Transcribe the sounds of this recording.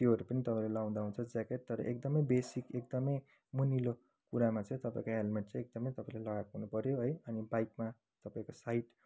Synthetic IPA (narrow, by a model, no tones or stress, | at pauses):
t̪joɦʌɾupʌnit̪ʌpãĩlelʌɡaw̃d̪aɦũnt͡sʰʌd͡zakeʈ̚t̪ʌɾʌ̰ʔekd̪ʌmʌjbesikekd̪ʌmʌj | munilo | kuɾamat͡sʌ̃ĩt̪ʌpãĩkoelmeɳʈ̚t͡sʌ̃ĩek̚d̪ʌmʌĩt̪ʌpaĩlalʌɣakɦunupʌɾjoɦʌjʌnibajk̚ma | t̪ʌpãĩkosaiʈ